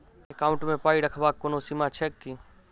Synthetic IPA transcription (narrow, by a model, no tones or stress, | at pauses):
ekaːʊ̃ɳʈmẽpaːiɽəkʰbaːkːoːnosimat͡ʃʰɛːkːiː